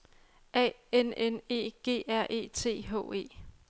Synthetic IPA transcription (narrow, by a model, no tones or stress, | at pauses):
ɛ̰enene̝̰ːɡ̥e̝̰ːæɐ̰ʔe̝̰ːt͡sʰe̝̰ːɦɔ̰ːe̝̰ː